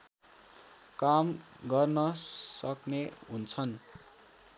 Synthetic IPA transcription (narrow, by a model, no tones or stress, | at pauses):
kam | ɡʌrnʌsʌkneɦunt͡sʰʌn